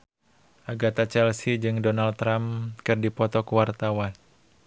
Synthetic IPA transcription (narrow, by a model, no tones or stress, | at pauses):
ʔaɡat̪at͡ʃɛlsid͡ʒɨŋdɔnalt̪ːɾamkɨrdipɔt̪ɔkuwart̪awan